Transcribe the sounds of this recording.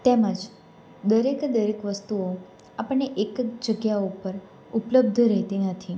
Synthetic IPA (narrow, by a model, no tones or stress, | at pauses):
t̪eməd͡ʒ | d̪əɾekd̪əɾekʋəst̪uo | apəɽːeʔekd͡ʒəɡjaoupəɾ | upləb̚d̪ʱɾəɦt̪inət̪ʰi